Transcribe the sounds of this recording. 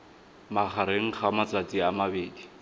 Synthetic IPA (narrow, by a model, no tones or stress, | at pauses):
maχʰaɾeŋ̩χamat͡sat͡sʼiamabeːdi